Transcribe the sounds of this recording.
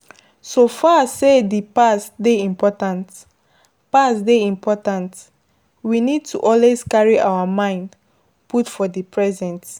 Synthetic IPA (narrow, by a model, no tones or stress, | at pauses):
sofasedipasdeĩmpɔtãnt | pasdeĩmpʰɔtãnt | winid̚tʰuʔɔlwezkaɹiʔawəmãɪ̃nd | putfɔdipʰɹɛzɛ̃nt